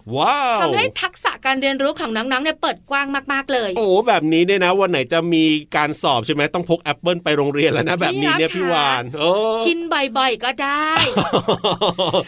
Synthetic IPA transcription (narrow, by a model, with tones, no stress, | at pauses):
waː˧˥˩tʰa˧wha˥˩jt̪ʰa˦˥k̚sa˨˩ʔkaː˧nɾi˧ənɾuː˦˥kʰɔː˩˦ŋnɔː˦˥ŋnɔː˦˥ŋni˥˩pɤː˨˩t̪̚kwaː˥˩ŋmaː˥˩k̚maː˥˩k̚lɤː˧jʔoː˩bɛː˨˩p̚niː˦˥ni˥˩na˦˥wa˧nːa˩˦jt͡ɕa˨˩miː˧kaː˧nsɔː˨˩p̚t͡ɕʰa˥˩jmɛ˦˥t̪ɔ˥˩ŋpʰo˦˥k̚ʔɛ˦˥pːɤː˥˩npa˧jɾoː˧ŋɾi˧ənla˦˥wna˦˥bɛː˨˩p̚niː˦˧ni˥˩ɐpʰiː˥˩waː˧nʔɤː˧ki˧nbɔ˨˩jbɔ˨˩jkɔː˥˩daː˥˩j